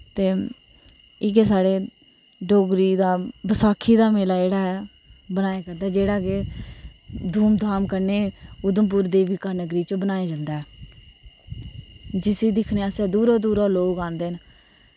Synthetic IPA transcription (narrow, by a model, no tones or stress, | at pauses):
t̪eː | ɪkesaːɽeː | ɖoːɡɾiːd̪aːbəsaːkʰːiːd̪aːmeːlaːeːɽaːɛː | bənaːjeːkəɾd̪aːd͡ʒeːɽaːke | d̪ʱuːmd̪ʱaːmkəɾneːʊd̪əmp̬ʊːɾd̪eːʋiːkaːnəɡɾiːt͡ʃbənaːeːd͡ʒãnd̪aːɛː | d͡ʒɪsiːd̪ɪkʰneːaseːd̪uːɾoːd̪uːɾoːloːɡãːnd̪eːn